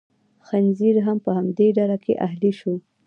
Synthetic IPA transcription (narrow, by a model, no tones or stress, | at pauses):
xanziɾɦampəhamd̪eɖalakʰḛʔaɦliʃow